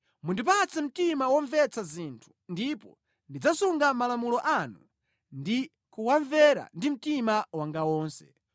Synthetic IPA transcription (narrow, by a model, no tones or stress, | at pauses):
mundip̬at͡sɛm̩timawɔɱvɛt͡sazintʰu̥ndipɔ̰ | ndid͡zasuŋɡamalamulɔʔanu | ndi | kuwaɱvɛɾa̰ndim̩timawaŋɡawɔːnsɛ̥̰